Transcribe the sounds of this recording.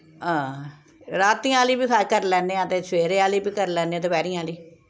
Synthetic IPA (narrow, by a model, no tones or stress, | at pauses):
ɦãː | ɾaːt̪ĩːaːliːbiːkʰkəɾlɛːnẽːat̪ẽːsʋeːɾeːaːliːbiːkəɾlɛːnẽːd̪ʊbɛːɾĩːaːliː